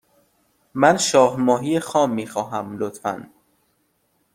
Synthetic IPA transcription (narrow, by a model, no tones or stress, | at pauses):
mænʃɒːhmɒːɦijexɒːmːiːxɒːɦæmlot̪fæ̰n